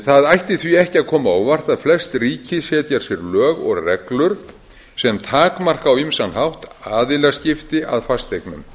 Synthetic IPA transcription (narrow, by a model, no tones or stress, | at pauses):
θaðajht̪ɪθviɛhcɪaðkʰɔːmaawvar̥t̪aðflɛst̪riːcɪsjɛːt̪jaɾ̥sjɛɾlœːɣɔ̰ɣrɛklʏɾ | sɛmt̪ʰaːkmar̥kawimsanɦawht̪aːðɪlascɪft̪ɪa̰ðfast̪ejknʏ̰m